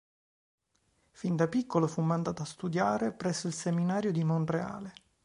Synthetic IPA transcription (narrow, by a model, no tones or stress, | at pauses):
find̪apikːolofumːand̪aːt̪oast̪ud̪jaːɾepɾɛsːoilseminaːɾjod̪imonrea̰ːle